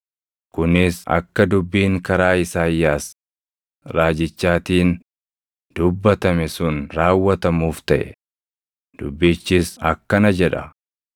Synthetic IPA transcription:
kʊnɪsɐ̰kːɐd̪ʊbːiːŋkɐɾaːɪsaːjːaːs | ɾaːd͡ʒɪt͡ʃːaːt̪iːn | d̪̥ʊbːɐt̪ɐmɛsʊnɾaːwːɐt̪ɐmuːft̪ɐʔɛ̰ | d̪̥ʊbːiːt͡ʃːɪsɐkːɐnɐd͡ʒɛᶑɐ

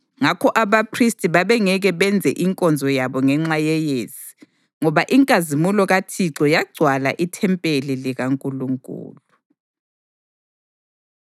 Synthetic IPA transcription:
ŋakʰɔʔaβapʰristʼiβaβɛŋɛɣɛβɛnd͡zʱɛ̰ʔiŋkʼɔnd͡zʱɔjaβɔŋɛŋ͡ǁajɛjezi̥ | ŋɔβaʔiŋkʼazimulɔɣatʰiǁɔjaɡ͡ǀʱwala̰ʔitʰɛmpʼeliliɣaŋkʼuluŋkʼṵːlu

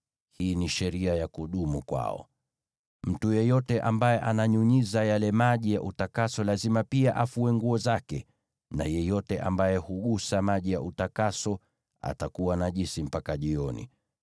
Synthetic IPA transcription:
hiːniʃɛɾiajakuɗumukwa̰ɔ̰ | m̩tujɛjɔtɛʔambajɛʔanaɲuɲizajalɛmaʄijaʔutakasɔlazimapiaʔafuwɛŋɡuɔzakɛ | na̰jɛjɔtɛʔambajɛhuɠusamaʄijaʔutakasɔ | a̰takuwanaʄisim̩pakaʄiɔnḭ

